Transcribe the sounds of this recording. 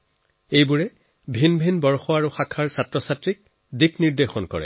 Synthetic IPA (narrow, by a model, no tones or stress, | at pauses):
ejbuɹɛ | bʱinbʱinbɔɹxɔaɹuxakʰaɹsatɹɔsatɹik̚ | dikniɹdexɔnkɔ̰ɹɛ̰